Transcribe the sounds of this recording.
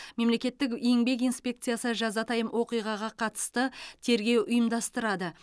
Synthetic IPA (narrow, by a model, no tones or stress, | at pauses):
me̞mle̞kʲe̞t̪ːɪkjeŋbe̞k̬ijnspʲe̞kt̪sɨjasəʒɑzɑt̪ʰɑjəmwo̞qijʁɑʁɑqʰɑt̪ə̥st̪ət̪ʰe̞ɾɡʲe̞wʔʊjəmd̪ɑst̪əɾɑd̪ə